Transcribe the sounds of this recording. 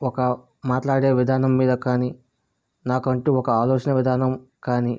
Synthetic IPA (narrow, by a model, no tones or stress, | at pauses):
ɔkɐ | maːʈlaːɽe̞ːʋid̪ʱaːnɐmːiːd̪ɐkaːni | naːkɐɳʈeːɔkɐaːlɔːt͡ʃɐnɐʋid̪ʱaːnɐmkaːni